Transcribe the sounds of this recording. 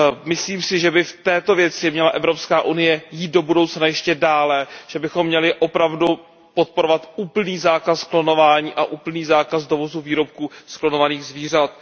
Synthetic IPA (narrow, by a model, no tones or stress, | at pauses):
mɪsliːmsɪʒɛbɪft̪ɛːt̪o̞vjɛt͡sɪmɲɛlaʔɛvɾo̞pskaːʔunɪjɛjiːt̪̚do̞budo̞wt͡snajɛʃcɛdaːlɛʒ̥ɛbɪxo̞mːɲɛlɪʔo̞pɾavdu | pot̪̚poɾovat̪uːpl̩niːzaːkasklo̞no̞vaːɲiːʔaʔuːpl̩niːzaːkazdo̞vo̞zuviːɾo̞p̚kuːsklo̞no̞vaniːɣzviːr̝at̪̚